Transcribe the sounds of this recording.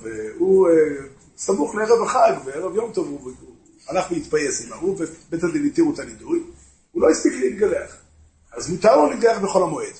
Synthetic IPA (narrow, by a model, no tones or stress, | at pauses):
veu | samuχleeʁevaχaɡveʁavjomt̪o̞vu | alaχveit̪pajesimauvebet̪ald̪imit̪iʁut̪alid̪uj | ulo̞ist̪iklit̪̚ɡaleaχ | azmut̪aʁlonit̪̚ɡaleaχbeχo̞lhamoed̪